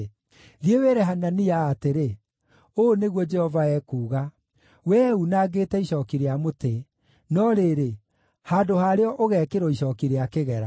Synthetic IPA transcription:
ðieweɾɛɦananiaːteɾe | oneɣwɔd͡ʒɛhɔvaɛkuːɣa | wɛːunaːɡetɛiɕɔkiɾeamote | nɔɾeɾe | haːdohaːɾeɔʔoɣɛkeɾɔiɕɔːkiɾeakeɣɛɾa

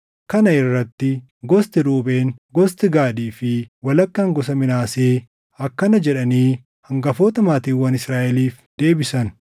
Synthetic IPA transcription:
kɐnɐɪrːɐt̪ːɪ | ɡɔst̪ɪɾuːbeːŋɡɔst̪ɪɡaːd̪iːfɪwɐlɐkːɐɐŋɡɔs̬ɐmɪnaːseː | ɐkːɐnɐd͡ʒɛᶑɐniː | hɐŋɡɐfoːt̪ɐmaːt̪iːwɐnɪsɾaːʔɛliːf | d̪̥e̞ːbɪsɐn

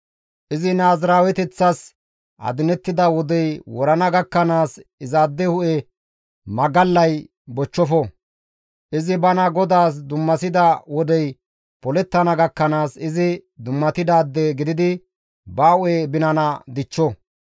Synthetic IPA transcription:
ʔɪzɪnaːzɾaːwɛt̪ɛt͡sːɐs | ʔɐ̰d̪ɪnɛt̪ːɪd̪ɐwɔd̪ɛjwɔɾɐnɐɡɐkːɐnaːsɪzaːd̪ːɛhʊʔɛ | mɐɡɐlːɐj | bɔt͡ʃːɔfɔ | ʔɪzɪbɐnɐɡɔd̪aːs̬d̪ʊmːɐsɪd̪ɐwɔd̪ɛj | pɔlɛt̪ːɐnɐɡɐkːɐnaːsɪzɪd̪ʊmːɐt̪ɪd̪aːd̪ːeɡɪd̪ɪd̪ɪ | bɐːʊeːbɪnɐnɐd̪ɪt͡ʃːɔ

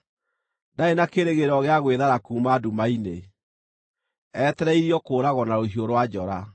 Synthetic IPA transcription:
daenakeɾeɣeɾɔɣeaɣweðaɾakumadumaine | ɛtɛɾɛiɾiɔkoːɾaɣɔnaɾoɦioɾwad͡ʑɔɾa

